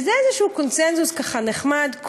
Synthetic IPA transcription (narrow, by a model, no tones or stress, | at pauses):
zeezeʃuːkonsenzuskaχaneχmad̪k